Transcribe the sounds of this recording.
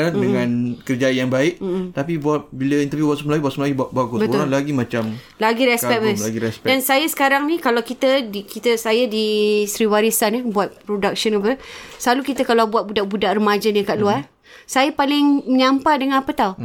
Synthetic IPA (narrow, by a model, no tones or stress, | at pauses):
ɾadəŋãnkərd͡ʒajaŋbaɪʔ̩m̩t̪apibuat̪̚biləint̪əɾvjubasuməlaɡibaʔ̪səmlaɡibat̚baɡʊtbətoɾaŋlaɡimãt͡ʃam | laɡiɾɛspɛbəsaɡiɾɛsɛdansajəsə̥kaɾaŋnikalawkit̪ədikit̪əsajadisɾiwaɾisanəbuat̪̚pɾodak̚sɔnubəslalukit̪əkalabuat̪̚budaʔ̚budaʔrəmad͡ʒanikaʔluar | sajapalɪŋməɲampadəŋanapət̪au